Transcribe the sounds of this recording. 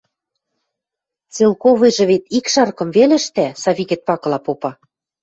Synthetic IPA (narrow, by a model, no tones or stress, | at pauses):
t͡selkovɤ̆jʒɤ̆βet̪ikʃɑrkɤ̆mvelɘ̆ʃt̪æsɑβikĕt̪̚pɑkɤ̆lɑpopɑ